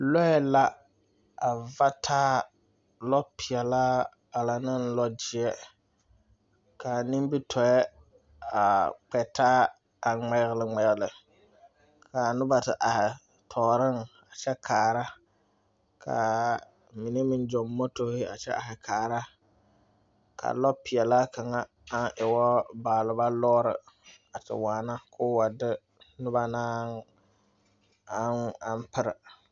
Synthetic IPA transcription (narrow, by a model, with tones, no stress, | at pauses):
lɔ˦ɛ˦la˦ | a˨va˦tʰaː˦ | lɔ˦pʰɪ˨ɛ˨laː˦ | a˨la˨nɨ˦nlɔ˦d͡ʒɪ˨ɛ˦ | ka˨nɪ˦m˦bi˦tʰɔ˨ɛ˦ | a˨k͡pɛ˨taː˦ | a˨ŋ͡mɛ˨ɣɪ˨lɪ˨ŋ͡mɛ˨ɣɪ˨lɪ˨ | kʰa˨nʊ˦ba˨tɪ˨ʔa˨hɪ˨ | tʰɔː˨ɾɨ˦ŋ | a˨t͡ʃɛ˦kʰaː˨ɾa˦ | kʰa̰˨ | mi˨ne˦mɪ˦n˦d͡ʒɔ˨mːɔ˦to˦hɪ˦a̰˨t͡ʃɛ̰˦ʔa˨hɪ˨kʰaː˨ɾa˦ | kʰa̰˨lɔ˦pɪ˨jɛ˨laː˦ka˨ŋa˦ | a˦nʔɪ˨wɔ˦baː˨lɨ˨ba˦lɔ˦ɾɪ̰˨ | a˨tɨ̰˨waː˨na˦kʰʊː˦wa˨dɪ˦ | nʊ˦ba˦naː˦ŋ | a˨˦a˦mpɪ˦ɾɪ˨